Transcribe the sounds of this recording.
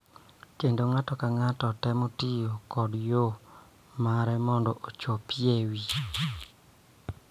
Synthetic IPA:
kendoŋatɔkaŋatɔtɛmotijokɔdjo | maɾɛmɔndɔʔot͡ʃopiewi

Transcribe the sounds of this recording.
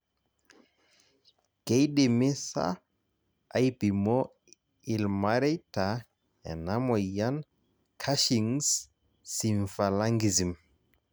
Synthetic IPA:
ɡ̥ejɗemisa̰ | ajbimɔ | ilmaɾetʰa | ɛ̰namɔjan | kʰaʃiŋsː | iɱfalaŋɡizim

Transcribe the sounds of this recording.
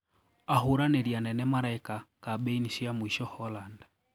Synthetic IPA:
aɦuɾanɛɾjanɛnɛmaɾaikakaɓɛiniʃiamwiʃɔhɔland

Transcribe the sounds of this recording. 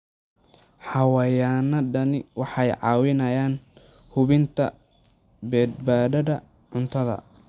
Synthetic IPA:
ħɑwɐjaːnɐɖɐnɪwɑħɑjʕɑ̰ːwɪnɐjaːn | hʊβɪnt̪ʰɐ̰ | bɛːd̪̚baːɖɐdɐ | ʕʊnt̪ʰɐðɐ̰

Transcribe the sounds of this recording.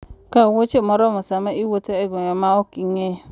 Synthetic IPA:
kawot͡ʃemɔɾɔmɔsamaiwot̪eɛɡɔɲɔmaokiŋe

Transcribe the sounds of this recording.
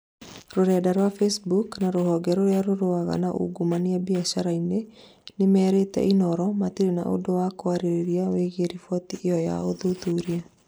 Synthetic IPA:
ɾoɾɛːdaɾwafesbuknaɾoɦɔːɡɛɾoɾeaɾoɾoaɣa̰naʔṵɡumanabiaʃaɾaine | nemɛːɾetɛ̰ʔinɔɾɔmatiɾena̰ʔo̰dowakoaɾeɾeɾiaweɣeɾifɔtiʔeɔja̰oðutuɾia

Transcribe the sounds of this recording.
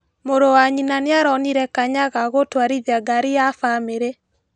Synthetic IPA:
moɾowaɲinaneaɾɔniɾɛkaɲaɣaɣotwaɾiðaɡaɾijafameɾe

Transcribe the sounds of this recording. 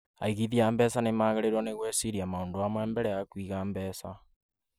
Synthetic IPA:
a̰iɣiðiaːmbɛsanemaːɣeɾeɾwaneɣweːsiɾiamaoːndoamwɛːmbɛɾɛjakwiɣaːmbɛːsa

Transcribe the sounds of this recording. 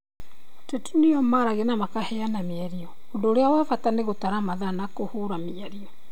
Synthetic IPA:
tɛtuneɔmaɾaɣenamakahɛanameɛɾiɔ | ondoːɾeawafataneɣotaɾamaðanakohoɾamiaɾiɔ

